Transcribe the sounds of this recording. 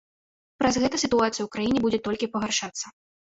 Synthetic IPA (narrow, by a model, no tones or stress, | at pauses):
pɾɐzɣɛt̪ɐsʲit̪uat̪sɨjɐwkɾajinʲɛbud͡zʲɛt̪ɔlʲkʲipɐɣarʂat̪sːɐ